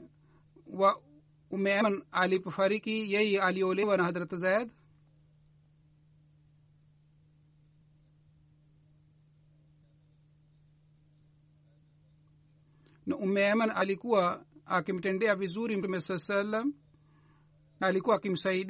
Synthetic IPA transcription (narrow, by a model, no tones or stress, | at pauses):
wa | umːeɐɐnalipfɐɾikijɐialioːleʋanɐɦɐd̪ɾɐt̪ɐzajd̪ | nɐʔumːeɐmɐnalikuwaakimʈeɳɖeabizuɾimmesɐsɐlɐm | nalikuakimsɐid